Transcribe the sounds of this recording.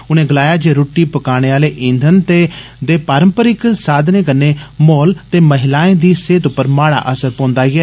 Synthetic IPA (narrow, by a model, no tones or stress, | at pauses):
ʊnẽːɡəlaːjaːd͡ʒeːɾoːʈːiːpəkaːɽ̃eːaːleːʔĩːnd̪ʱənt̪eː | d̪eːpaːɾəmpəɾɪksaːd̪nẽːkənːeːmoːlt̪eːməɦɪlaːẽːd̪iːseːt̪ʊpːəɾmaːɽa̰ːʔəsəɾpɔ̃ːnd̪aːɡɪɛː